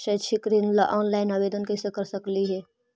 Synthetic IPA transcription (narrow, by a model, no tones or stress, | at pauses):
ʃɛt͡ʃʰɪkɾinlʔɔːnlaːɪnaːbeːd̪ənkɛsekɐɾsəkliɦɛː